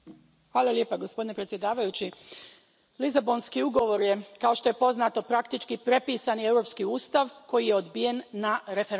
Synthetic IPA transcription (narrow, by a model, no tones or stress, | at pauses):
xʋaːlˠaljepaɡo̞spod̪inepɾet̪sje̞d̪aːʋajut͡ɕi | lizabo̞nskiuɡo̞ʋo̞ɾje̞kao̞ʃt̪o̞je̞po̞znaːt̪o̞pɾak̚t̪it͡ʃkipɾe̞piːsanie̞wɾo̞ːpskiuːst̪aʋko̞jije̞o̞d̪bije̞nːaɾe̞feɾ